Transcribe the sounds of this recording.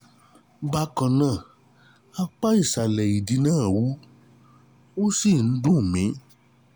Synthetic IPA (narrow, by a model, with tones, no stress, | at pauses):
ba˧˦kã˨nã˨˦˨ | a˧k͡pa˦i˦˨ʃa˨lɛ˨i˨di˨˦nãː˦˨wu˨˦ | o˦si˦˨n̩˦dũ˦˨mĩ˨˦